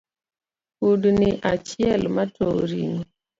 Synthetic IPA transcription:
udnɪʔat͡ʃɪɛlmatʰo̰ɾiŋo

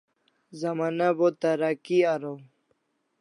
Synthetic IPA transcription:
zɐmanabot̪aɾakiaɾow

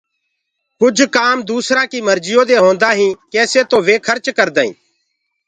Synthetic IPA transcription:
kʊd͡ʒʱkaːmd̪uːsɾãːkiːməɾd͡ʒɪjoːd̪eːɦõːnd̪aːɦĩːkɛːseːt̪õːʋeːkʰəɾt͡ʃkəɾd̪aːḭ̃ː

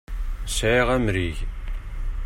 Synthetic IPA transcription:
sæʁæmɾiʝ

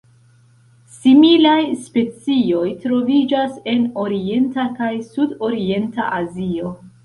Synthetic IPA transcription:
similajspe̞t͡sio̞jtɾo̞vid͡ʒase̞no̞ɾie̞ntakajsudo̞ɾie̞nta̰ʔazio̞

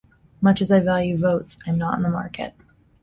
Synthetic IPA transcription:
mʌt͡ʃɨzaɪvælˠjʉvoʊtsãɪ̃mnəɾn̩ðəmɑ̰ɹkʰɨ̰t̚

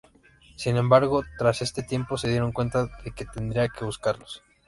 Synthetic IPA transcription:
sinẽ̞mbaɾɣo̞t̪ɾase̞st̪e̞t̪je̞mpo̞se̞ðje̞ɾo̞ŋkwe̞nt̪aðe̞ke̞t̪e̞nd̪ɾiake̞βuskaɾlos

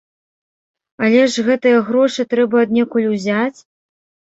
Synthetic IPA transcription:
ɐlʲɛʐɣɛt̪ɨjɐɣɾɔʂɨt̪ɾɛbɐːd̪nʲɛkulʲwzʲat͡sʲ

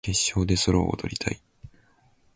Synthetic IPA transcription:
ke̞ɕːo̞ːd̪e̞soɾo̰ːt̪o̞̰ɾʲit̪ʰai

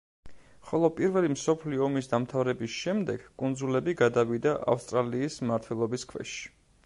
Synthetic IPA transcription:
χɔlˠɔpʼiɾvɛlimsɔpʰliɔːmisd̪amt̪ʰavɾɛbisʃɛmd̪ɛɡ̥kʼund̪zulɛbiɡad̪avid̪aʔa̰fst̪ʼɾaliːsmaɾt̪ʰwɛlˠɔbiskʰvɛ̰ʃi̥

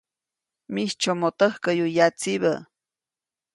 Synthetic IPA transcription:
miht͡ʃomot̪əhkəjujat͡siβə

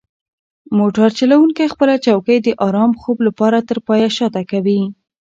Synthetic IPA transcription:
moʈaɾt͡ʃalawuŋkajxpəlat͡ʃawkəjd̪əʔɑɾɑmxoblapɑɾat̪əɾpɑjaʃɑt̪akawi

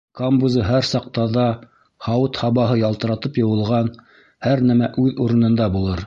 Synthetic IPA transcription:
kombuzɤɦæɾsɑq̚t̪ɑðɑ | χɑwɤt̪hɑβɑɦɤjɑlˠt̪ɤ̆ɾɑt̪ɤpjɤ̆wɤ̆lˠʁɑn | hæɾnæmæʔʉðuɾɤ̆nɤ̆nd̪ɑbulˠɤɾ

